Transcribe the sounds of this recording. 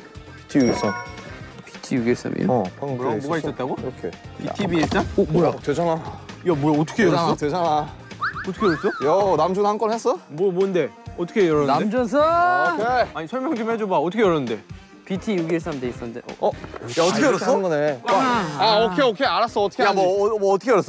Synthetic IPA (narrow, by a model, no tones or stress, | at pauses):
pi̥tʰijuɡis͈ʌnpi̥tʰijuɡiɭs͈a̰mḭkɾboɡaiss͈ʌt̚t͈aɡokʰepitʰibies͈anomojʌted͡ʑanajamojʌːt͈ʰʌ̥kʰejʌanaʌted͡ʑana | ʌtʰʌ̥kʰejɾos͈ʌjʌnamd͡ʑunhank͈ʌnhes͈ʌmomwʌɯnde̞ | ʌt͈ʰʌ̥kʰejʌɾʌnaemd͡ʑuns̬ʰʌkʰeaɲisʰʌɭmjʌŋd͡ʑumhed͡ʑubaʌtʰʌkʰejʌɾʌnɯnde̞ | pitʰijuɡieɭs͈adeis͈ʌnndḛʌjaʌtʰʌkʰejʌɾʌs͈ʌɡʌneaaokʰeokʰeaɾas͈ʌːt͈ʰʌ̥kʰeaʌːtʰʌkʰejʌɾʌs͈ʌ